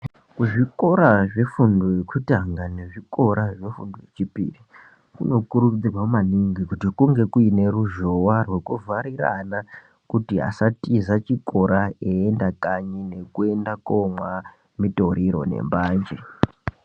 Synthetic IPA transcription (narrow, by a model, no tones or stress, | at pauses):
kuʐiko̞ɾaʐe̞fundojekutaŋɡane̞ʐiko̞ɾaʐe̞fṵndojet͡ʃipḭri | kuno̞kuɾud͡zirwaumaniŋɡikutikuŋɡe̞kuine̞ruʒo̞warwe̞kuvaɾiɾa̰na | kutiɦa̰satizat͡ʃiko̞ɾaeendakaɲine̞kue̞ndakomwa | mitoɾiɾo̞̰ne̞̰mbaːnd͡ʒe